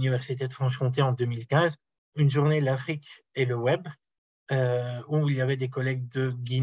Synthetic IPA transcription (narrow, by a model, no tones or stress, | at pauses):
nivɛʁsit̪̬et̪χɑ̃ʃkɔ̃t̪̬eɑ̃d̪ømilkʲɛ̃z | ynʒuʁnelafχik | eləwɛb | øuiljavɛd̪ekɔlɛɡ̚d̪əɡʲi